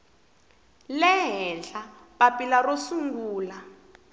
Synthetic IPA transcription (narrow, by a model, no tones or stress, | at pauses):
lɛɦɛnd͡ɮa | ɓapilarosuŋɡuːla